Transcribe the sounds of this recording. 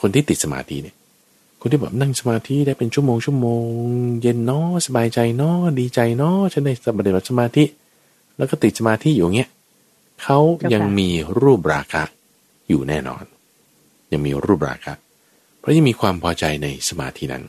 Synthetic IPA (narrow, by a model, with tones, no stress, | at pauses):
kʰo˧nt̪ʰiː˥˩t̪i˨˩t̪̚sa˧ma̰ː˧t̪ʰḭ˦˥ni˦˥˩ɐ | kʰo˧nt̪ʰiː˥˩bɛ̰˨˩p̚na˥˩ŋsa˧maː˧t̪ʰi˦˥daː˥˩jpe˧nt͡ɕʰu˥˩əmoː˧ŋt͡ɕʰu˥˩əmoː˧ŋŋje˧nːɔ˦˥sa˧baː˧jt͡ɕa˧jnɔ˦˥diː˧t͡ɕa˧jnɔ˦˥t͡ɕʰa˨˧˥daː˥˩jpa˧t̪i˨˩ba˨˩sa˧maː˧t̪ʰi˦˥ʔ | lɛː˦˥kɔː˥˩t̪i˨˩t̪̚sa˧maː˧t̪ʰi˦˥juː˨˩˨ŋi˦˥ɐ | kʰa˦˥wja˧ŋmiː˧ɾuː˥˩p̚ɾa̰ː˧kʰa̰˦˥ʔ | juː˨˩nɛ̰ː˥˩nɔ̰ː˧n | ja˧ŋmiː˧ɾuː˥˩p̚ɾa̰ː˧kʰa̰˦˥ʔ | pʰɾɔ˦˥ja˧ŋmiː˧kʰwaː˧mpʰɔː˧t͡ɕa˧jna˧jsa˧ma̰ː˧t̪ʰi˦˥na̰˦˥n